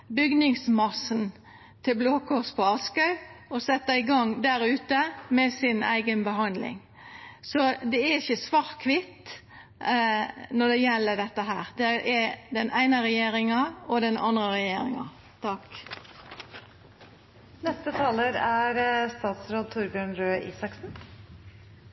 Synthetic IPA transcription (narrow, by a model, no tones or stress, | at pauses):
bʏɡnɪŋsmɑsn | t̪ʰɪlbloːkʰɔspʰɔɑskɑʉɔsɛt̪ːəɪɡɑŋd̪æɾʉːt̪əmɛsɪnæ̰ɪɡənbəɦɑnd̪lɪ̰ŋ | sɔd̪ɛæɪçəsʋɑːʁt̪kʰʋɪt̪ | nɔd̪ɛjɛlːəd̪ɛt̪ːəɦæːɾd̪ɛʔɛd̪ɛnʔæɪnəɾɛjeːɾɪŋɑɔd̪ɛnʔɑ̰nd̪ɾəɾɛjeːɾɪ̰ŋɑ̰ | t̪ʰɑk | nɛst̪ət̪ʰɑːləɾæɾst̪ɑːt̪sɾoːd̪̚t̪ʰʊɾbjøːnɾøːʔḭːsɑksn̩